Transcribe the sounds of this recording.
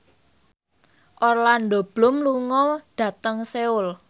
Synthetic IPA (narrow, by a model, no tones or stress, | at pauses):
ʔɔrland̪o̤b̥lʊmluŋɔɖ̥ä̤t̪əŋseʊl